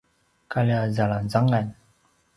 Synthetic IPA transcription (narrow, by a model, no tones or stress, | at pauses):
kaliazalazaŋan